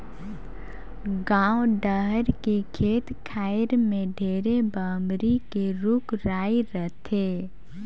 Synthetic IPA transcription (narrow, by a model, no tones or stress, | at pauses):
ɡãːoɖəɦəɾkekʰeːt̪kʰaːɪɾmẽɖʱeːɾebaːmbɾikeɾʊkɾaːiɾət̪ʰeː